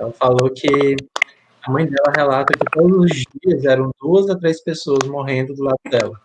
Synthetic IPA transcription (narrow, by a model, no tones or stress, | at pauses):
ɛlɐfalokʰɪ | ɐmɐ̃j̃d̪ɛlɐɦelat̪ɐkɪt̪od̪ʊzʊzd͡ʒiɐzɛɾɐ̃w̃d̪uɐzɐt̪ɾejspesoɐzmoɦẽnd̪ʊd̪ʊlad̪ʊd̪ɛlɐ